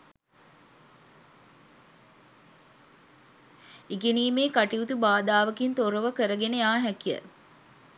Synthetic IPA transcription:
eɡeniːmeːkaʈiut̪ubaːd̪aːʋəkint̪oɾəʋəkəɾəɡenəjaːɦɛkijə̰

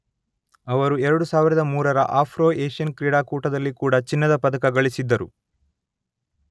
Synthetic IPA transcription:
ɐʋɐɾuɛɾɐɽusaːʋiɾɐd̪ɐmuːɾɐɾɐ̰ʔaːpʰɾoːeːʂijɐnkɾiːɽaːkuːʈɐd̪ɐlːikuːɽɐt͡ʃinːɐd̪ɐpɐd̪ɐkɐɡɐɭisid̪ːɐɾu

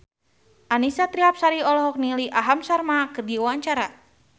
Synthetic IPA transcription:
ʔanisat̪ɾiap̚saɾiɔlɔɦɔk̚niliʔaɦamsarmakɨrdiwaɲt͡ʃaɾa

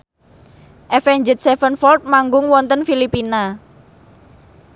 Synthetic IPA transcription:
ʔɛfɛɲd͡ʒɪt̪̚sɛfənfɔlt̪̚maŋɡʊŋwɔnt̪ənfilipina

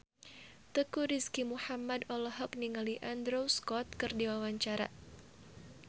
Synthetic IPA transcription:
t̪əkuɾiskimuhamadɔlɔɦɔk̚niŋaliʔand̪ɾowskɔt̪̚kɨrdiwawaɲt͡ʃaɾa̰

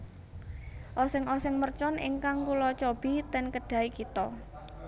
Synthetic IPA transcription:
ʔɔsɪŋɔsɪŋmərt͡ʃɔnʔḭŋkaŋkulɔt͡ʃɔb̥i̤t̪ɛnkəɖ̥a̤ikit̪ɔ

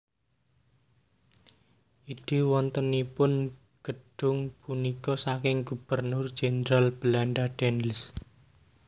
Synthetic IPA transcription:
ʔid̥e̤wɔnt̪ənipʊn | ɡ̥əɖ̥ʊ̤ŋpunikɔsakɪŋɡub̥ərnʊrd͡ʒ̥enɾalb̥əlaɳɖaɖ̥ɛnlɪs

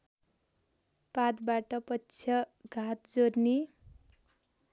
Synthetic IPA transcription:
pat̪baʈʌpʌtːt͡sʰjʌɡʱat̪̚d͡zorni

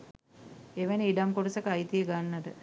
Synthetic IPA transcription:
eʋeniiɖamkoʈəsəkəajt̪ijəɡanːat̪ə

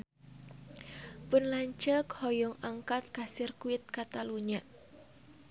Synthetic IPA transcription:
pʊnlaɲt͡ʃəkhɔjɔŋaŋkat̪̚kasɪrkuɪt̪̚kat̪aluɲaʔ

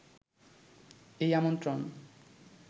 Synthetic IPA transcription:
ejamontɾon

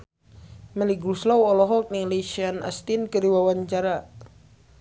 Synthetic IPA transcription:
məliɡɾuslɔwɔlɔɦɔk̚niŋliʃiana̰st̪inkəɾiwawaɲt͡ʃaɾa

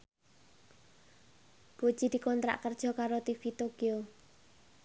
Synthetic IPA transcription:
b̥od̥ʒ̥id̪̥i̤kɔnt̪ɾa̰ʔkərd̥ʒ̥ɔ̤kaɾot̪ifit̪oɡ̥eo

